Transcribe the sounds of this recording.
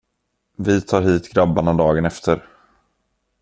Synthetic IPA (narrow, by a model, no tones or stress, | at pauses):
vɪt̪ʰɑːɾɦiːt̪ɡɾabːanad̪ɑːɡənɛft̪ʰəɾ